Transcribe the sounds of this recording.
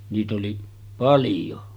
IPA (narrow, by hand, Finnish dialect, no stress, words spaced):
niːt oli pɑljo